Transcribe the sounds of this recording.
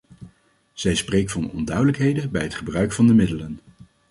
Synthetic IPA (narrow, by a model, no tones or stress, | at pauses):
z̥ɛjsprejk̚tfɑnɔ̰ndœɥdələkɦejdənbɛjɦətχəbrœɥkfɑndəmɪdələn